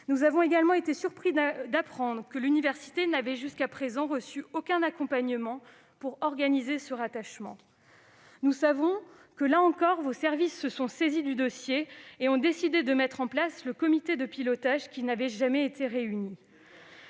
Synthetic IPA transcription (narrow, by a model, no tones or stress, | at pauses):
nuzavɔ̃eɡalmɑ̃et̪esyʁpχid̪apχɑ̃d̪ʁəkəlynivɛʁsi̥t̪enavɛʒyskapχezɑ̃ʁəsyokʲɛ̃nakɔ̃paɲəmɑ̃ | puʁɔʁɡanizesəʁat̪aʃmɑ̃ | nusavɔ̃ | kəlaɑ̃kɔʁvosɛʁvisːəsɔ̃sezid̪yd̪ɔsjeːɔ̃d̪esid̪ed̪əmɛt̪χɑ̃plasləkɔmit̪ed̪əpilɔt̪aʒkʲinavɛʒamɛet̪ʰeʁeyni